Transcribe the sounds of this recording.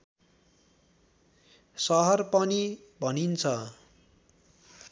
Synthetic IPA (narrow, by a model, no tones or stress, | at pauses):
sʌɦʌrpʌni | bʱʌnint͡sʰʌ